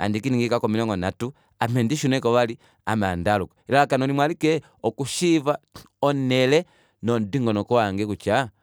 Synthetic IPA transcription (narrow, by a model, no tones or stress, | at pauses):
a̰ndikiniŋɡikakɔmilɛŋɡɔnatu | amɛndiʃunɛkɔʋali | amandalukɔ̥ilalakanɔlimwalikɛ | ɔkuʃiva | ɔnɛlɛ | nɔndiŋɡɔnɔkɔwaŋɡɛkut͡ʃa